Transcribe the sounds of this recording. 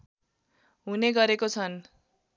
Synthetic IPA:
ɦuneɡʌɾekot͡sʰʌn

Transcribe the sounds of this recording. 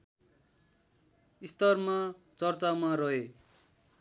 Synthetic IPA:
ist̪ʌrma | t͡sʌrt͡samaɾʌɦe

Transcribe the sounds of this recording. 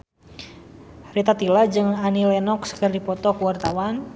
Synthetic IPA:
rit̪at̪ilad͡ʒɨŋanilɛnɔkskərdipɔt̪ɔkuwart̪awan

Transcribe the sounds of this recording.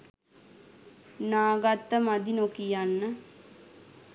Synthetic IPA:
naːɡat̪ːəmad̪inokijanːə

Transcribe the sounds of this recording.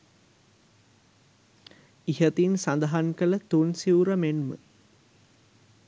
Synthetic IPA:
iɦət̪insɐnd̪ɐɦankɐlɐt̪unsiuɾəmenmə̰

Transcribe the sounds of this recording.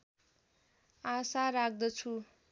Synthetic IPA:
asaɾak̚d̪ʌt͡sʰu

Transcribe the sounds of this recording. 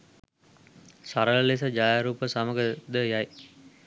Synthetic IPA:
saɾəlles̬əd͡ʒajaɾuːpəsɐməɡəd̪əjaj

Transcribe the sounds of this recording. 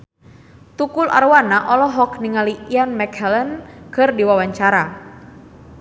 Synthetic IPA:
t̪ukula̰ɾwanaʔɔlɔɦɔkniŋaliianmɛkhɛlɛnkɨrdiwawaɲt͡ʃaɾa

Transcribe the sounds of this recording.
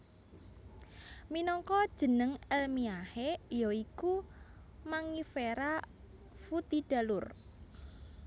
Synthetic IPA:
minɔŋkɔd̥ʒ̥ə̤nəŋɛlmiahejɔiku | maŋifeɾa | fut̪id̥a̤lʊr

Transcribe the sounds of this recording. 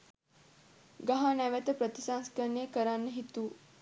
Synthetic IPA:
ɡɐɦanɛʋet̪əpɾət̪isaŋskɐɾnekəɾanːəɦit̪uː

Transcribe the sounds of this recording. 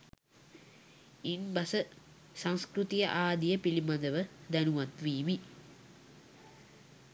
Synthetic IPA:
inbɐsə | saŋskɾut̪ijəʔaːd̪ijəpilimad̪əʋəd̪ænuʋat̪ʋiːmi

